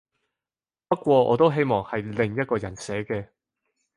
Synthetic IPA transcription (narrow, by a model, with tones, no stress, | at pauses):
pɐ˥t̚kʷɔː˧ʔɔ̰ː˨˧t̪̬o˥wɦe˥jmɔː˨˩ŋhɐ˨jlɪ˨ŋjɐ˥t̚kɔː˧jɐ˨˩nsɛː˨˥kɛː˧